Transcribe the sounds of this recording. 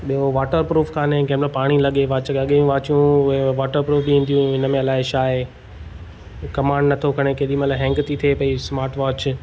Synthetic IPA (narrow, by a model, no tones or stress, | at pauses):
ɓiɦoʋaːʈəɾpɾuːfkʰaːnẽkɛːmlapaːɽ̃ilɐɠeʋaːt͡ɕɐɠũʋaːt͡ɕjũʊɦeʋaːʈəɾpɾuːfbiɦĩːn̆d̪ijũɦɪnə̆mẽɐlaːɪʃaːɦe | kɐmãːɳɖnɐt̪ʰokʰɐɽ̃ekeːɗimɐt̪laɦɛ̃ːŋkt̪ʰit̪ʰepɐismaːɾʈʋaːt͡ɕ